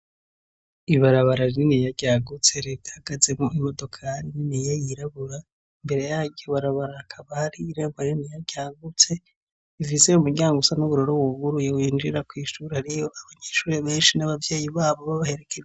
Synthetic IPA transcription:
iβaɾaβaɾaɾninijaɟaːɡut͡se̞ɾe̞tḁhaɡ̥azemuimo̞do̞kʰaɾininijejiɾaβuɾa | imbe̞ɾe̞jaɟoβaɾaβaɾahakʰaβahaɾiːɾeːmɡaninijaɟaːɡut͡se̞ | ivizejumuɟaːŋɡusanuβuɾo̞ɾowuɡuɾujewiːnd͡ʒiɾakwiːʃuɾehaɾijo̞ʔaβaɲeːʃuːɾeβe̞ːnʃinaβavje̞ːjiβaːβo̞βaβahe̞ɾe̞kʰeɾ

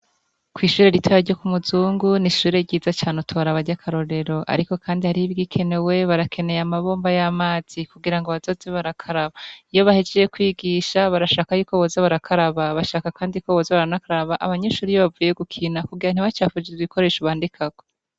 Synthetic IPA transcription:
kwiːʃuːɾe̞ɾitʰwojaɾɟokumuzuːŋɡuniʃuːɾe̞ɾɟiːzat͡ʃaːnutʰoβaɾaβaɾɟakʰaɾo̞ɾe̞ɾo̞ʔa̰ɾiko̞kʰaːndihaɾiiβɡikʰe̞ne̞we̞βaɾakʰe̞ne̞jamaβo̞ːmbajamaːz̥ikuɡiɾaŋɡoβazo̞zeβaɾakʰaɾaβaijo̞βahed͡ʒejekwiːɡiːʃaβaɾaʃaːkajuːko̞βozaβaɾakʰaɾaβaβaʃaːkakaːndikoβoːzaβaɾanakaɾaɾaβaʔaβaɲeʃuːɾijoβavuje̞ɡukʰinakuɡiɾan̥iβat͡ʃaːfud͡ʒeiko̞ɾe̞ːʃoβaːndikʰaɡ̥o̞

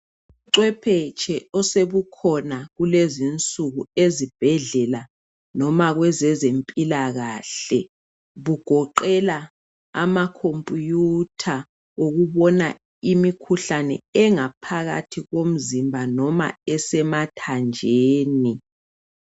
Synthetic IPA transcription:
uǀwɛpʰɛt͡ʃʰʼɛɔseβukʰɔnaɣulezint͡sʼuɣuezib̥ʱɛɮɛla | nɔmaɣwɛzɛzempʼilaɣaːɬɛ | βuɡ̥ʱɔǃɛla | a̰makʰompʼjutʰa | oɣuβɔna | imikʰuɬanɛ̰ɛŋapʰaɣa̰tʰiɣom̩zimbʱanɔma̰ɛsɛmatʰand͡ʒʱeːni

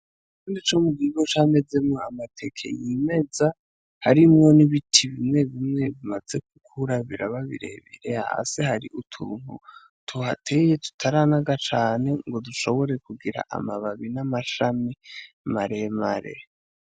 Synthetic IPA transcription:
kuːndit͡ʃomuɡiɡo̞t͡ʃame̞d͡ze̞mŋo̞amatʰe̞kʰḛjime̞d͡za | haɾimŋo̞niβitʰiβimŋe̞βimŋe̞βimaze̞k̚ukʰuɾaβiɾa̰βaβḭɾḛβḭɾeha̰a̰sehaɾiʔutʰṵːnu | tʰuhatʰeje̞tu̥tʰaɾanaɡat͡ʃaːne̞ŋɡo̞duʃo̞βo̞ɾe̞kuɡiɾa̰ʔa̰maβaβinamaʃami | maɾemaɾe̞̰

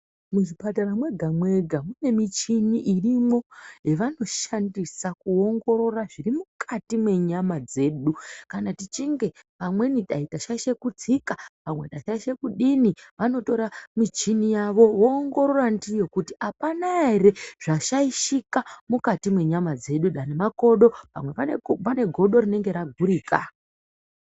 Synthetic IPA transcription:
muʐipataɾamwe̞ɡʱamwe̞ɡʱamune̞mit͡ʃiniʔirimo̞jeʋano̞ʃandisakuo̞ŋɡo̞ɾo̞raʐirimukʰatimwe̞ɲamad͡ze̞ːɗukanatit͡ʃiŋɡe̞ʋamwe̞niɗaitaʃaʃe̞kud͡zikaʋamwe̞ɗaʃaiʃe̞kuɗiniʋano̞to̞ɾamit͡ʃinijaʋo̞ʋoːŋɡo̞ɾo̞randijo̞kutiʔapanaɾeʐ̥aʃaiʃikamukatimwe̞ɲamad͡ze̞ɗuɗanemako̞ɗo̞ʋa̰mwe̞ʋapane̞ɡʱo̞ɗo̞ɾine̞ŋɡe̞ɾaɡʱuɾiːka

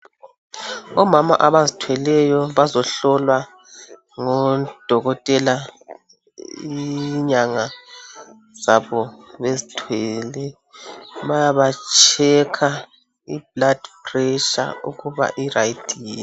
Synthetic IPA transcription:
ɔmama̰ʔaβazitʰwɛlɛjɔβazɔɬɔlwa | ŋɔd̥ʱɔɣɔtʼɛla | iɲaŋa | z̥aβɔβezitʰwɛlɛ | βajaβat͡ʃʼʰɛkʰa | ib̥̚lad̥prɛʃa̰ṵɣuβa̰ʔiraitʰʼiːi

